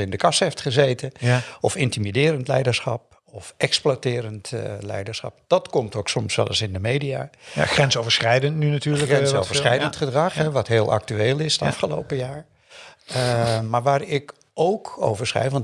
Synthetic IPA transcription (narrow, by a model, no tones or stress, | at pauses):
ɪndəkɑsejftχəzejtəɔfɪntimidɪːɾəntlɛ̰jdəɹsχɑ̰p̚ | ɔfɛksplatɪːɾəntlɛ̰jdəɹsχɑ̰p̚d̥ɑtkɔmtowksɔmsʋɛ̰lˠəsɪndəmeːjdijaːxrɛnsowvəɹsχɛjdəntnynatyːɹləɛnsowvəɹsχɛjəntχədrɑχɦɛʋɑtɦeːlˠʔa̰k̚tyeːlˠɪsdəɑfχəlo̰wpəjaːɹ | maːɹʋaːɹɪk | owko̰wvəɹsχɛ̰jfʋɑn